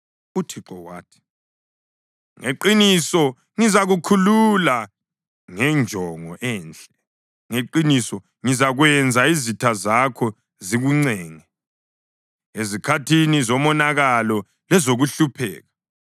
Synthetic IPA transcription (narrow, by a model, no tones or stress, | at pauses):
utʰiǃɔwaːtʰi̥ | ŋeǃinisɔ | ŋizaɣukʰulula | ŋɛnd͡ʒʱɔŋɔʔɛːnt͡ɬʼɛ | ŋeǃinisɔ | ŋizaɣwɛnd͡zʱaizitʰazakʰɔ | ziɣuŋ͡ǀɛːŋɛ | ezikʰatʰinizɔmɔnaɣalɔ | lɛzoɣuɬupʰɛ̰ːɣa